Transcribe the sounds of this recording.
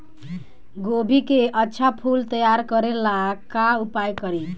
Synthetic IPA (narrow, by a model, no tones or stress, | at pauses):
ɡobʱikeʔʌtːʃʰapʰult̪ʌjaɾkʌɾelakaupajkʌɾi